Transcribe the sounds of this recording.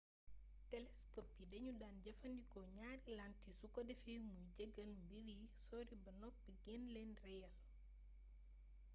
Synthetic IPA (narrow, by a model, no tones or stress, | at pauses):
tɛlɛskopidɛɲudaːnɟɐfɐndikɔɲaːɾilantisukodɛfimujɟɐɡɐnmbiɾisɔːɾibɐnɔp̚bɛɡɛnlɛnrɛjɐl